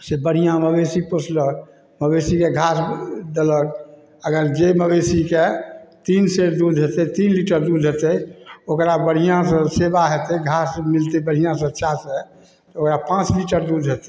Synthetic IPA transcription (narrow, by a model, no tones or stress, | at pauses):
sebəɽ̤ijãməbesipəsʰlək | məbesikeɡʱasd̪ələk | əɡəɾd͡ʒeməbesiket̪inseɾd̪ud̪ʱɦet̪ɛt̪inliʈəɾd̪ud̪ʱɦet̪ɛokɾabəɽ̤ijãsə̃sebaɦet̪ɛɡʱasmilt̪ebəɽ̤ijãsə̃ətːʃʰase | t̪ɔokɾapãt͡ʃliʈəɾd̪ud̪ʱɦet̪e̥